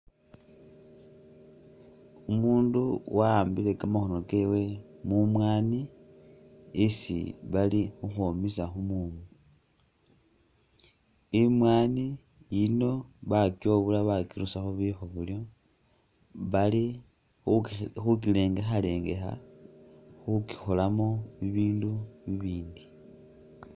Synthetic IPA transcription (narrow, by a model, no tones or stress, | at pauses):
umuːnduwaːmbile̞kamaxo̞no̞ke̞we̞mumwaːni | sḭβalixuxomisaxumumu | imwaːni | jino̞βakjo̞βulaβakiɾusaxoβixoβuljo̞ | βali | xuk̬ile̞ːŋɡaxale̞ːŋɡexa̰ | xuki̥xolamo̞βiβiːnduβiβiːndi